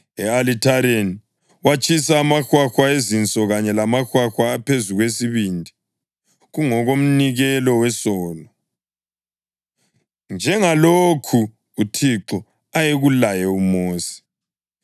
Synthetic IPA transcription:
ɛalitʰaɾeni | wat͡ʃʼʰisaːmaxwaxwaezint͡sʼɔɣaɲɛlamaxwaxwaːpʰezuɣwesiβindʱi | ɣuŋɔɣom̩niɣɛlɔwɛsɔːlɔ | nd͡ʒʱɛŋalokʰu | utʰiǁɔ | ajeɣulajɛumoːsi̥

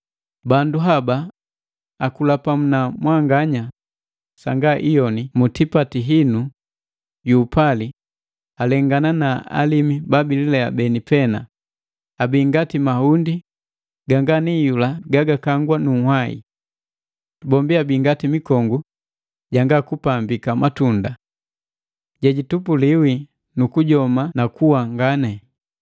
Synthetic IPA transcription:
banduɦabaː | kulapamunamwaŋɡaɲa | saŋɡaʔijɔnimutipatiɦinu | juːpali | alɛŋɡananaa̰limibabililɛa̰bɛnipɛna | abiŋɡatimahundi | ɡaŋɡanijulaɡaɡakaŋɡwanuhwaḭ | bɔmbiabiŋɡatimikɔŋɡu | ɟaŋɡakupambikamatunda | ɟaɟitupuliwi | nukuɟɔmanakuwaŋɡanɛ

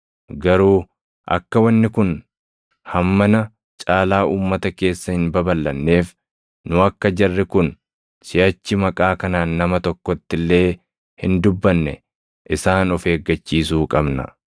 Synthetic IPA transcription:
ɡɐɾuː | ʔɐ̰kːɐwɐnːɪkʊn | hɐmːɐnɐ | t͡ʃʼaːlaːʔuːmːɐt̪ɐke̞ːsːɐhɪnbɐbɐlːɐnːe̞ːf | nʊɐkːɐd͡ʒɐrːɛkʊn | sɪɐt͡ʃːɪmɐkʼaːkɐnaːnːɐmɐt̪ɔkːɔt̪ːɪlːe̞ː | hɪnd̪ʊbːɐnːɛ̰ | ʔɪsaːnɔfe̞ːɡːɐt͡ʃːiːsuːkʼɐbnɐ̰

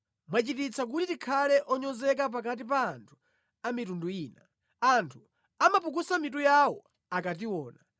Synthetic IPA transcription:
mwat͡ʃitit͡sʰak̬utitikʰalɛʔɔɲɔzɛk̬ap̬ak̬at̬ipaːntʰu̥ | amitunduiːna | antʰu | amapuk̬usamitujawɔ | akat̬iwɔːna

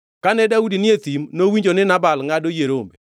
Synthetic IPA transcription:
kanɛdaudinɪet̪imnowiɲd͡ʒonɪnabalŋadojeɾombe

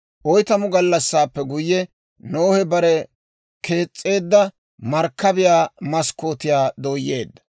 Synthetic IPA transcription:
ʔɔjt̪ɐmʊɡɐlːɐsːaːpːɛɡʊjːɛ | noːhɛbɐɾɛ | kʰe̞ːt͡sʼːe̞ːd̪ːɐ | mɐɾkːɐbɪjaːmɐskːoːt̪ɪjaːd̪oːjːḛːd̪ːɐ̥

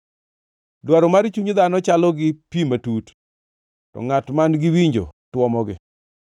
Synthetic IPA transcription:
dwaɾɔmaɾt͡ʃuɲd̪anɔt͡ʃalɔɡɪpimatut | tɔ̰ŋatmanɡɪwiɲd͡ʒo̰twɔmɔɡɪ̰

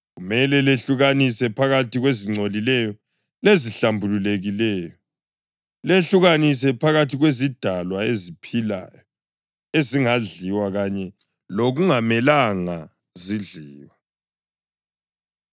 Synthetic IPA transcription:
ɣumɛlɛleɬuɣanisɛpʰaɣatʰiɣweziŋ͡ǀʱolilɛjɔ | leziɬambʱululeɣilɛːjɔ | leɬuɣanis̬ɛpʰaɣatʰiɣwezid̥ʱalwaezipʰila̰jɔ | eziŋaɮiwaɣaɲɛ | loɣuŋamɛlaŋa | ziɮiːwa

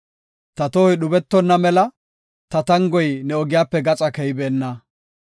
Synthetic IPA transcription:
t̪ɐt̪oːɪɗʊbɛt̪ːɔnːɐmɛlɐ | t̪ɐt̪ɐŋɡɔjnɛɔɡɪjaːpːɛɡɐt͡sʼɐkɛjbeːnːɐ

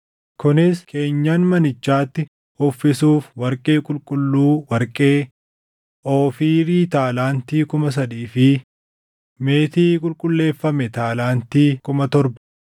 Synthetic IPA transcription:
kʊnɪskʰe̞ːɲːaːnmɐnɪt͡ʃːaːt̪ːɪ | ɔfːɪsuːfwɐɾkʼe̞ːkʼʊlkʼʊlːuːwɐɾkʼe̞ː | ʔoːfiːɾiːt̪aːlaːnt̪iːkʊmɐs̬ɐd̪iːfɪ | me̞ːt̪iːkʼʊlkʼʊlːe̞ːfːɐmɛt̪aːlaːnt̪iːkʊmɐt̪ɔɾbɐ̥

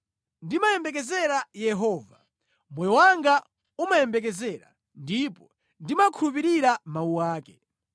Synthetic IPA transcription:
ndimajɛmbɛk̬ɛzɛɾajɛɦɔːva | mwɛjɔwaŋɡa | umajɛmbɛk̬ɛzɛɾa̰ | ndipɔ | ndimakʰuɾup̬iɾiɾamauwaːkɛ

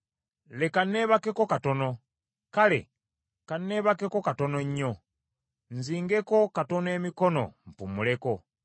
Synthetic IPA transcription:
lekane̞ːβake̞ko̞kato̞no̞ | kale̞̰ | kanːeːβake̞ko̞kato̞noɲːo̞ | nziːŋɡe̞ko̞kato̞ne̞ːmiko̞no̞̰m̩pumule̞ko̞

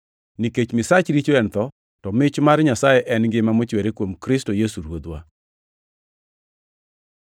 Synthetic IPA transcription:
niket͡ʃmɪsat͡ʃɾit͡ʃoɛnt̪ɔ | tɔmɪt͡ʃmaɾɲasajɛʔɛnɡɪmamot͡ʃweɾekwomkɾɪstojesuɾwod̪wa̰

